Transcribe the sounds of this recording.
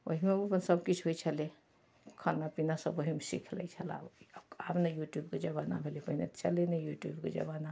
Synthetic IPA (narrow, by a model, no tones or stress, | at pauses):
o̰ɦimepənsəbkit͡ʃʰɦoit͡ʃʰəle | kʰanapinasəbəɦimesḭkʰlɛ̰it͡ʃʰəla̰apnajuʈjubked͡ʒəbana̰bʱelepəɦinḛt͡ʃəlenejuʈjubked͡ʒə̰bana